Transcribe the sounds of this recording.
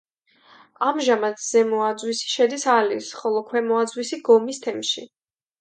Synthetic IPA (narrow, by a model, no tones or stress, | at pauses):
amʒamat̪ʰz̥ɛmɔad̪zwisi̥ʃɛd̪isalisχɔlˠɔkʰwɛmɔad̪zwisiɡɔmist̪ʰɛmʃḭ